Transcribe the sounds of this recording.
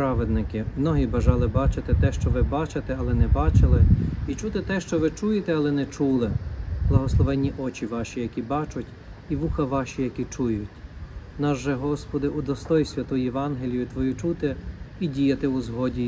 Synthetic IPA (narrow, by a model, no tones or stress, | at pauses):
pɾɑʋed̪nɪkɪmnɔɦibɐʒɑlˠɪbɑt͡ʃɪt̪ɪt̪ɛʃt͡ʃɔʋɪbɑt͡ʃet̪ɛɐlˠɛnɛbɑt͡ʃɪlˠɪit͡ʃut̪ɪt̪ɛʃt͡ʃɔʋɪt͡ʃujet̪ɛɐlˠɛnɛt͡ʃulˠɪblˠɐɦɔslˠɔʋɛnʲːiʔɔt͡ʃiʋɑʃʲijɐkʲibɑt͡ʃʊtʲ | iʋuxɐʋɑʃijɐkʲit͡ʃujʊtʲnɑʒʒɛɦɔspɔd̪ɪʔud̪ɔst̪ɔjʊsʲʋʲɐt̪ʊjjɛʋɑnɦelʲijʊt̪ʋɔjut͡ʃut̪ɪidʲijɐt̪ɪuzɦɔdʲi